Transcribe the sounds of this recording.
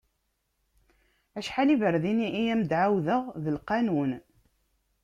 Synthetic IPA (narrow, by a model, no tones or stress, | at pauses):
æʃħalivəɾðiniijæmd̪ʕawðəʁðəlqɑnun